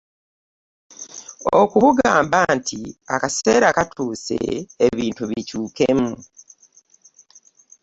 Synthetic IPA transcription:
okuβuɡaːmbantʰia̰kase̞ːɾakatʰuːsḛeβiːntuβicuːkemu

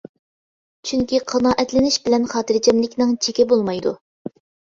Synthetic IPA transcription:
t͡ʃʰyŋkʲiqʰɑnɑːʔɛt̪lɪnɪʃbɪlɛnχɑːt̪ɨɾd͡ʒɛmlɪkʲnɪŋt͡ʃʰekʲɛbolˠmɑjd̪ṵ

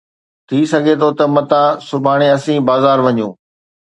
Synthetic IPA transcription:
t̪ʰisɐɡʱet̪ʰot̪ɐmɐt̪ãsʊbʱaːɽ̃eɐsĩbaːzaːɾʋɐɲũː

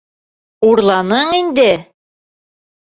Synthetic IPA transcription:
uɾlˠɑnɤɴind̪ɘ

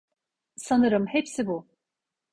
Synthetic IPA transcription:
sanɯɾɯmhepsibu

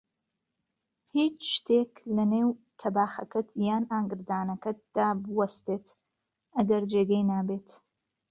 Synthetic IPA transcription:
hit͡ʃʰʃtʰeːkʰlɐneːwtʰɐbaːχɐkʰɨtʰjaːnaːŋɡɨrdaːnɐkʰɨt̚d̥aːbwɐstʰeːtʰ | aɡɐrd͡ʒeɡejnaːbeːtʰ

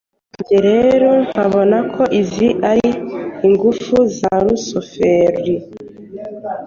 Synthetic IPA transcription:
ɲɟeɾeɾoŋaβo̞nakʰo̞ʔiziʔaɾiiŋɡufuzaɾusofeɾi

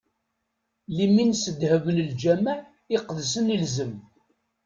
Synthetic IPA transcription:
liminsəd̪həvələld͡ʒæməʕ | ɪqðsənilzəm

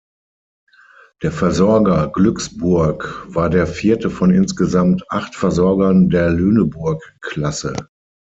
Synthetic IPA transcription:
d̥eːɐfɛɐzɔɐɡɐɡlʏksb̥ʊɐkv̥aːɐdeːɐfiːɐtəfɔnɪnsɡ̥əzamtʔaχtfɛɐzɔɐɡɐndeːɐløːnəbʊɐkːlasə̰

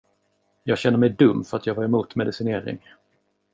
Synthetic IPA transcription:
jɑːɡɕɛnːəɾmɛjd̪ɵmːfœɾat̪jɑːɡvaɾɛmuːt̪mɛd̪ɪsɪneːɾɪ̰ŋ

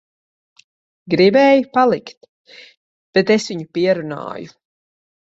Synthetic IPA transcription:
ɡɾibɛːjupalˠikt̪ | b̥et̪esviɲupiɛɾuna̰ːju

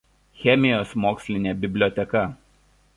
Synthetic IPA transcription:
xʲɛmʲɪjoːsmoːksʲlʲɪnʲɛbʲɪbʲlʲoːt̪ʲɛkɐ

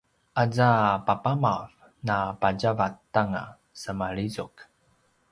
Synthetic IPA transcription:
ʔazapapamav | napaɟavatːaŋa̰ | səmaɭizuk

